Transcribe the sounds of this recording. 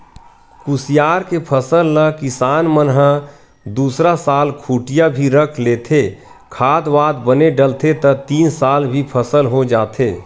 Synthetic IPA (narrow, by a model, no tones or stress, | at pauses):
kusijaːɾkepʰəsəlːəkɪsaːnmənɦə | d̪uːsɾasaːlkʰuːʈijabʱiɾəkʰleːt̪ʰe | kʰaːd̪ʋaːd̪bəneɖəlt̪ʰet̪ət̪iːnsaːlbʱipʰəsəlɦod͡ʒaːt̪ʰeː